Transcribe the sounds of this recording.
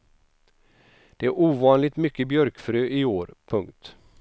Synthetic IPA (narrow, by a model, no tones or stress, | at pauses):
d̪̥ɛæɾʔuːvɑːnlɪt̪mʏkːəbjœɾkfɾøːʔɪoːɾpʰɵŋkt̪